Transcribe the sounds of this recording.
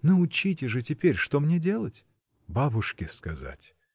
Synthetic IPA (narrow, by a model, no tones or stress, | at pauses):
noʊt͡ɕitʲɪʐɨtʲɪpʲeɾʲʂt̪o̞mnʲedʲe̞lˠətʲ | babʊʂkʲɪskɐza̰tʲ